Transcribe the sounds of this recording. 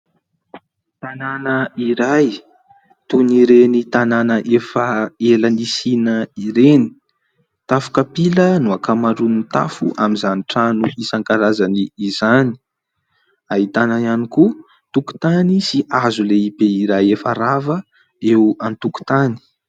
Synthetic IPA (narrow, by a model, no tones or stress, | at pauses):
t̪ananəiɾaj | t̪uniɾenit̪ananəʔefəelanisinəiɾeni̥ | t̪afu̥kapilənuakamaɳɖ͡ʐunit̪a̰fṵʔamizaniʈ͡ʂanuisaŋkaɾazaniːzani̥ | aɦit̪anaaniku | t̪uku̥t̪anisiazuleipeiɾajefaɾavə | ewant̪uku̥t̪ani̥